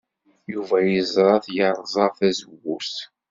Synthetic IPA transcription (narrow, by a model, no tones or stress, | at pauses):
juvæjəzɾˤɑθjəɾˤzˤɑɾθæzəwːus